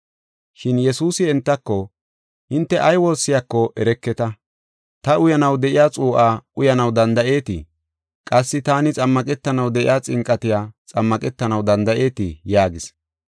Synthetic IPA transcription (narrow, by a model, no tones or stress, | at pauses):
ʃɪnjɛsuːsɪɛnt̪ːɐkːɔ | hɪnt̪ːɛʔɐjwo̞ːsːɪjakːɔʔɛɾɛkːɛt̪ɐ | t̪ɐʊjɐnɐwd̪ɛʔɪjaːt͡sʼuːʔaːʊjɐnɐwd̪ɐnd̪ɐʔe̞ːt̪ɪ̰ | kʼɐsːɪt̪aːnɪt͡sʼɐmːɐkʼɛt̪ːɐnɐwd̪ɛʔɪ̰jaːt͡sʼɪŋkʼːɐt̪ɪjaːt͡sʼɐmːɐkʼɛt̪ːɐnɐwd̪ɐnd̪ɐʔe̞ːt̪ɪjaːɡɪs